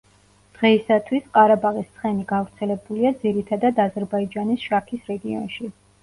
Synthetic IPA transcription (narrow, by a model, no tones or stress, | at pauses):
d̪̥ʁɛisat̪ʰwisqʼaɾabaʁist̪sʰχɛniɡavɾt̪sʰɛlɛbuliad̪ziɾit̪ʰad̪ad̪azɛɾbaid͡ʒanisʃakʰisɾɛɡiɔ̰nʃi